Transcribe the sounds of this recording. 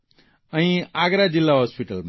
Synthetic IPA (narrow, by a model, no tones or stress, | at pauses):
ʌĩaɡɾad͡zilːaɦospiʈʌlm